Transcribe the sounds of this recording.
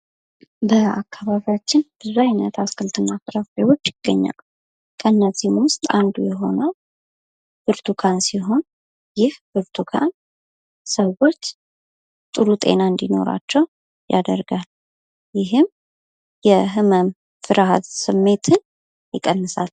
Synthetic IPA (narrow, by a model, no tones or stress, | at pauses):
bəakʰːaβaβijat͡ʃːɪnb̥əzajnət̪ʰaskʰɨlt̪ʰɨnːafɨɾafewo̞t͡ʃːɪɡ̥ːəɲːa̰l | kʰəɨnːəzːihmwʊst̪ʼand̪ujɛɦo̞nə | b̥ɨɾt̪ʰukʰansiɦo̞n | jɪhbɨɾt̪ʰukʰa̰n | səwo̞t͡ʃː | t̪ʼɨɾut̪ʼe̞̰naɨnd̪ino̞̰ɾa̰t͡ʃːɛw | ja̰d̪əɾɡal | jɪɦɨm | jɛɦɨməm | fɨɾɦa̰t̪sɨmːe̞t̪ʰɨn | jɪkʼːənːɨsa̰l